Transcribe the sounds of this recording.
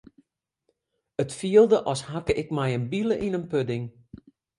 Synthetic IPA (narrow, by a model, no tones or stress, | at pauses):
ətfiəlˠdəʔɔshakəʔɪkmɛjənbiləʔinənpødɪŋ